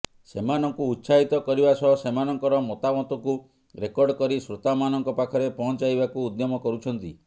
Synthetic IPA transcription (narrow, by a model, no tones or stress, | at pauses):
semanɔŋkuːt̪ːsaɦit̪ɔkɔɾibasɔɦɔsemanɔŋkɔɾɔmɔt̪amɔt̪ɔku | ɾekɔɾɖkɔɾisɾot̪amanɔŋkɔpakʰɔɾepɔɦɔ̃nt͡ʃajbakuːd̪jɔmɔkɔɾut͡ʃʰɔnt̪i